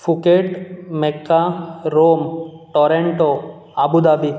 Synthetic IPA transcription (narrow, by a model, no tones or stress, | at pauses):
fʰukeʈmekːaɾomʈɔɾeɳʈo | abud̪abi